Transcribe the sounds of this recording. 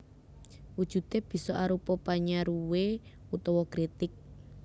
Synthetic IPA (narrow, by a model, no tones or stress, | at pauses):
wud̥ʒ̥ṳt̪eb̥i̤sɔʔaɾupɔpaɲaɾuwe | ut̪ɔwɔkɾit̪ɪk̚